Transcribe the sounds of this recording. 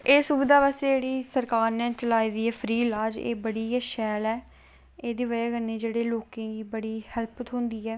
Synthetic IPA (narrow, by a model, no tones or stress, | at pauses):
eːsubɪd̪aːʋɛːst̪eːd͡ʒeːɽiːsəɾkaːɾnɛːt͡ʃəlaːiːd̪iːɛːpʰɾiːlaːd͡ʒḛːbəɽiːɛʃɛːlɛː | eːd̪iːʋəjaːɡənːẽːd͡ʒeːɽeːloːkẽːɡiːbəɽiːhɛlpt̪ɦõnd̪iːɛː